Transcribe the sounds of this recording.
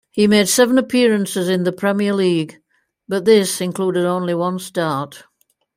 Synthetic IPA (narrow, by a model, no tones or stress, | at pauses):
himeɪd̥sɛvə̃nəpʰɪɹɨ̃nsɪzɨ̃nðəpʰɹ̥ɛmiəliːɡ | b̥ʌt̪̚ðɪsɨ̃nkʰl̥uːɾɪɾõʊ̃nliwʌ̃nstɑɹt